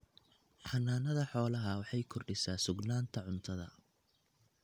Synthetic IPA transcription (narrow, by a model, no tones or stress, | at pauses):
ħɑnːaːnɐðɐħɔːlɐɦɐwɑħɑjkʰɔrɖɪsaːsʊɡnaːnt̪ʰɐʕʊnt̪ʰɐðɐ̰